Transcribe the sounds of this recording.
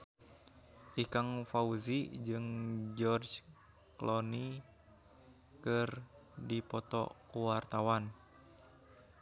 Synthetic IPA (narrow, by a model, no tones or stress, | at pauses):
ʔikaŋfauzid͡ʒɨŋd͡ʒɔrd͡ʒ | klɔni | kɨrdipɔt̪ɔ̰kuwart̪awan